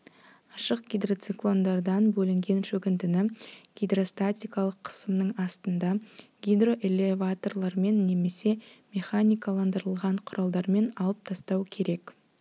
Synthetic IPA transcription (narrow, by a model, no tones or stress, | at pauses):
ɑʃəq̚ɡʲijd̪ro̞t̪siklˠo̞nd̪ɑɾd̪ɑnbɵlɪŋɡʲe̞nʃɵɡʲɪnd̪ɪnɪɡ̥ʲijd̪ro̞st̪atʲijkɑlˠəqʰːə̥səmnəɴɑst̪ənd̪ɑɡʲijd̪ro̞ʔelʲevat̪o̞rlˠɑɾme̞nːe̞me̞se̞me̞χanʲijkɑlˠɑnd̪əɾəlˠʁɑɴqʰʊɾʔɑlˠd̪ɑɾme̞nɑlˠəp̚t̪ʰɑst̪ɑwkʲʰe̞ɾe̞k